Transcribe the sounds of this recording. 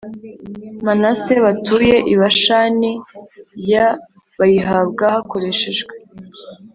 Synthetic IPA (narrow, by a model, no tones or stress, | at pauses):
manase̞βatuje̞ʔiβaʃanija | βajiɦab̚ɡahako̞ɾe̞ʃe̞ʒɡwe